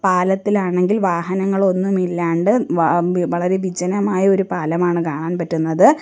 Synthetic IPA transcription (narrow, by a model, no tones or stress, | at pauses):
paːlɐt̪ːilaːɳe̞ŋɡilʋaːɦɐnɐŋːɐɭo̞nːumilːaːɳɖɨ | ʋɐɭɐɾe̞ʋid͡ʑɐnɐmaːjɐo̞ɾupaːlɐmaːɳɨkaːɳaːnpɐtːunːɐðɨ